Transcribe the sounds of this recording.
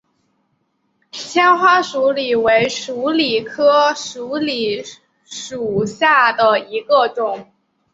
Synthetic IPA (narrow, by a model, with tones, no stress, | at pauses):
t͡ɕʰjɛ˥nxwa˥ʂu˧˥li˨˩we˧˥ɪʂu˧˥li˨˩kʰɤ˥ʂu˧˥li˨˩ | ʂu˨˩ɕja˥˩d̪ə˩i˧˥ɡə˧ʈ͡ʂʊ˨˩˦ŋ